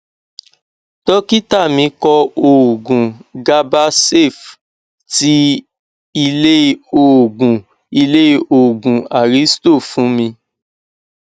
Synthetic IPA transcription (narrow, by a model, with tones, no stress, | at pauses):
tɔ˦ki˦ta˦˨mĩ˧kɔ˧o˨ɡũ˨ɡa˦ba˦se˦˨f | ti˦ | i˧le˦o˨ɡũ˨ | i˧le˦o˨ɡũ˨a˨ɾi˨˦sto˦˨fũ˨˦mĩ˧